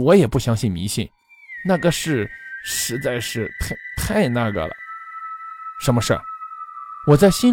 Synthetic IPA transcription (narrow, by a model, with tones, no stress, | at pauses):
wɔ˧˥jɛ˨˩pu˥˩ɕjɑ˥ŋɕi˥˩nmḭ˧˥ɕi˥˩n | na˥˩ɡə˩ʂɻ̩˥˩ʂɻ̩˧˥t͡sa˥˧ɪʂɻ̩˥˧t̪ʰa˥˧t̪ʰa˥˧ɪna˥˩ɡə̰˩lə̰˩ | ʂə˧˥nmə˧ʂə̰˥˩ | wɔ˨˩t͡sa˥˩ɪɕi˥n